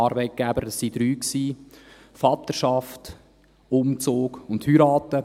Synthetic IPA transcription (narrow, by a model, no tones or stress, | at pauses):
ɑːɾbɛɪt̚ɡ̥æbəɾssid̥ɾyːksiː | fɑt̪əʃɑft | ʊmt͡soːɡʊnthyɾɑːtə